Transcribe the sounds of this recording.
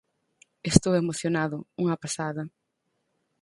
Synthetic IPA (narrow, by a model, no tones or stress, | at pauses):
est̪owemoθjonaðʊuŋɐpasaðɐ